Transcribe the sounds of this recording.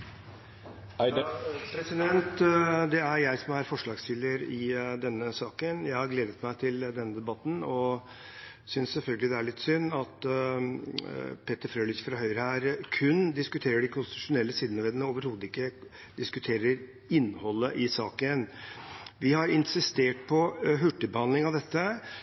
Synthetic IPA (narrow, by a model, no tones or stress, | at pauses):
pʰɾɛsɪd̪ɛnt̪d̪ɛæɾjæɪsɔmæɾfɔʂɭɑːɡst̪ɪləɾɪd̪ɛnːəsɑːkənjæɪhɑɾɡleːd̪ət̪mæɪt̪ʰɪld̪ɛnːəd̪ɛbɑt̪ːnɔ | sʏnssɛlfœlɡəlɪd̪ɛæɭɪt̪ːsʏnːɑt̪ | pʰet̪ːəɾfɾøːlɪkfɾɑɦœʏɾəhæːɾkʰʉnd̪ɪskʉt̪ʰeːɾəɖɪkʰʊnst̪ɪt̪ʉʂʊnɛlːəsiːd̪nəʋeːd̪nəoːʋəɾhoːd̪əɪkːə | d̪ɪskʉt̪ʰeːɾəɾ | ɪnːhɔlːəʔɪsɑːkən | ʋɪhɑɾɪnsɪst̪eːʈ̚pʰɔɦʉʈːəbəhɑnd̪lɪŋɑʋd̪ɛt̪ːə